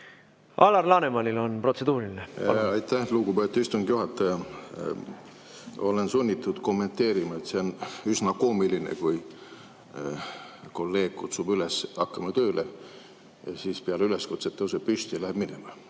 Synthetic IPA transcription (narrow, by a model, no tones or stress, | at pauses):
ʔɑlɑrlɑːnemɑnilo̞npro̞t̪se̞d̪̥uːɾilineɑjt̪ːæhluɡubet̪ːˑuist̪uŋɡ̪juɦɑt̪ːˑɑjɑ | o̞lensunʲːit̪ːˑud̪̥ko̞mːe̞nt̪e̞ːɾimɑet̪se̞onysnɑko̞ːmilinḛkuj | ko̞lːe̞ːɡ̥kut̪suːbylesɑkːɑmɑt̪øːle | siːspeɑleyle̞skut̪set̪ːˑews̬epyst̪ilæheb̥minemɑ